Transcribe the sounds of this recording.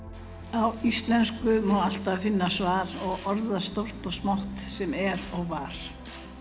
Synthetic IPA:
awist̪lɛnskʏmɔwal̥t̪avfɪnːasvaːɾɔɣɔɾðast̪owr̥t̪ɔɣsmawht̪sɛmɛɾɔɣvaɾ̥

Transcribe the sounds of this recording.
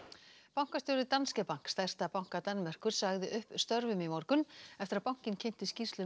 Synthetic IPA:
pawŋ̥kast̪jowɾɪt̪anscɛpaŋ̥kst̪ajr̥t̪apawŋ̥kat̪anːmɛr̥kʏɾ̥saɣðɪʔʏhpst̪œɾvʏmimɔɾkʏnɛft̪ɪɾaðpawŋ̥cɪncʰejn̥t̪ɪsci̥st̪lʏ

